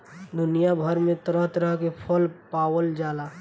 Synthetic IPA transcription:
d̪ʊnijabʱəɾmẽt̪ɾəɦt̪ɾəɦkepʰəlpaːwəld͡ʒaːla

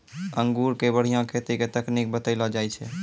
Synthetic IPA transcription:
əŋɡuɾkebəɽ̤ijãkʰet̪iket̪əknik̚bət̪əɪlɔd͡ʒajt͡ʃʰɛ̰

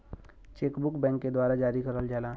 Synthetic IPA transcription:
t͡ʃeːkbʊkbɛ̃ːŋkːed̪waːɾad͡ʒaːɾikəɾəld͡ʒaːlaː

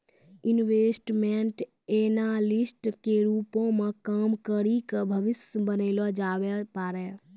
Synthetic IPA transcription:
inwesʈmeɳʈ | enalisʈkeɾupõmẽkəmkəɾikebʱəʋɪsjəbənəɪlɔd͡ʒabɛpaːɾɛ

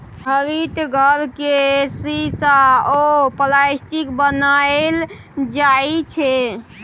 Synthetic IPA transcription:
ɦəʋit̪ɡʱəɾkesisaopəlasʈikbənael | d͡ʒait͡ʃʰɛ

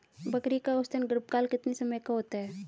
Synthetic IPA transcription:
bɐkɾikaʊst̪ənɡɾɪp̚kaːlkɪt̪nisɐməjkaɦoːt̪aɦɛː

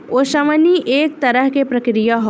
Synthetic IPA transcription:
oːʃɐməniʔeːk̚t̪ɐɾəɦkepɾɐkɾijaɦo

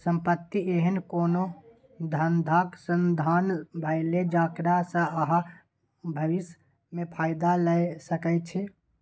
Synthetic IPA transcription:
səmpət̪ːieɦənkoːno | d̪ʱənd̪ʱaksənd̪ʱanbʱəɪled͡ʒakɾasə̃əɦã | bʱəʋis | mepʰaːɪd̪aləjsəkɛt͡ʃʰɛ

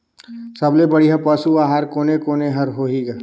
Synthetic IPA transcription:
sɐblebɐɽiɦapɐsuaːɦaːɾkoːnekoːneɦɐɾɦoːɦiɡa

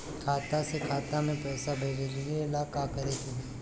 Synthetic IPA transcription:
kʰaːt̪asekʰaːt̪amẽpɾɛːsabʱeːd͡ʒelɪeɪlaːkakɐɾek̪iɦeː

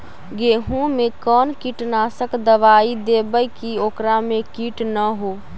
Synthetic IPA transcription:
ɡeːɦũmẽkɔːnkiːʈnaːsəkd̪əʋaːid̪eːbəjkioːkɾamẽkiːʈnəɦoː

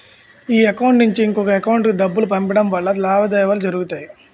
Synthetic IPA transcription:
iːɐkɐwɳʈnuɲt͡ʃiːŋkɔkɐɛkɐwuɳʈkid̪ɐbːulupɐmpiɽɐmʋɐɭːɐlaːʋɐd̪ɐjɐʋaːlud͡ʒɐɾuɡut̪aːji

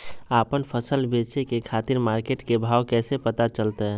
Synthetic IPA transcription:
apənpʰəsəlbet͡ʃekekʰat̪iɾmaɾkeʈkebʱawkɛsepət̪at͡ʃəlt̪ɛ

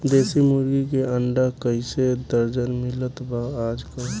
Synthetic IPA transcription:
d̪eːsimʊɾɡikeəɳɖakəised̪əɾd͡ʒənmɪlət̪baaːd͡ʒka

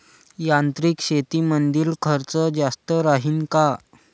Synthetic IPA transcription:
jant̪ɾiːkɕet̪iːmənd̪iːlkʰəɾt͡səd͡zast̪əɾaɦiːnka

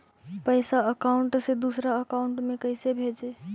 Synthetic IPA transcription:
pəɪsaəkaʊɳʈsed̪usɾaəkaʊɳʈmẽkəɪsebʱed͡ʒe

